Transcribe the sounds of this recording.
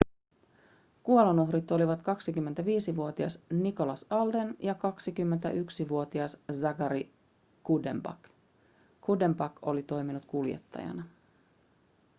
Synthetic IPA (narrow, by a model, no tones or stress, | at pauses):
kuolonuɦrɾit̪o̞liʋɑt̪kɑksik̟ymːe̞nt̪æʋiːsiʋuo̞t̪iɑsniko̞lɑsɑlde̞njɑkɑksikymːent̪æ̰ʔyksiʋuo̞t̪iɑszɑɡɑɾi | kude̞mbɑ̰k | kːude̞mbɑko̞̰lit̪o̞jminut̪kuljḛt̪ːɑ̰jɑ̰nɑ